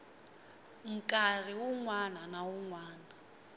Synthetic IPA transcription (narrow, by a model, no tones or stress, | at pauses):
m̩kʼar̤iwuŋwananawuŋwaːna